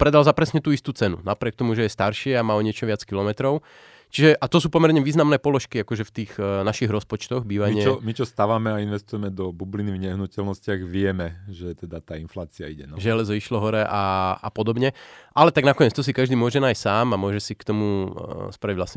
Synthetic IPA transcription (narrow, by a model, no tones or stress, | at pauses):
pɾɛd̪alzapɾɛsɲɛt̪uːist̪uːt͡sɛnṵnapɾɪɛk̚t̪ɔmuʒɛjɛst̪aɾʃɪɛamaːɔɲɪɛt͡ʃɔʋɪat͡skilɔmɛt̪ɾɔʊ | t͡ʃiʒɛʔat̪ɔs̬uːpɔmɛɾɲɛʋiːznamnɛːpɔlɔʃkiakɔʒɛft̪iːɣnaʃiɣɾɔspɔt͡ʃt̪ɔɣbiːʋaɲɪɛɔmit͡ʃɔst̪aʋamɛainʋɛst̪ujɛmɛd̪ɔbublinivɲɛɦnucɛlnɔscɪaɣʋɪɛmɛʒɛt̪ɛd̪at̪aːinflaːt͡siaiɟɛnaʒɛlɛzɔiʃlɔɦɔɾɛʔaa̰pɔd̪ɔbɲɛʔalɛt̪aɡnakɔɲɛt͡st̪ɔs̬ikaʒd̪iːmʊɔʒɛnaːjssaːmamʊɔʒɛsikt̪ɔmuspɾaiɟʋlasɲɛ